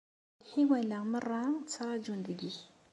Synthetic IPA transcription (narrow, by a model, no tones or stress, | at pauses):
hiwalaŋməraŋt͡saɾad͡ʒundiɡi